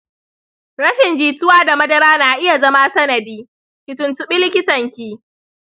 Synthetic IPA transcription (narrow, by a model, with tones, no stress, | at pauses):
ɾɐ˦ʃɪ˨nd͡ʒiː˨tʊ˦waː˦da˨mɐ˦dɐ˦ɾaː˦naː˨ʔɪ˦ja˨zɐ˦ma˦sɐ˦nɐ˨diː˦ | kʲɪ˨tʊ˨ntʊ˦ɓɪ˦lɪ˦kʲɪ˦tɐ˨ŋkʲiː˦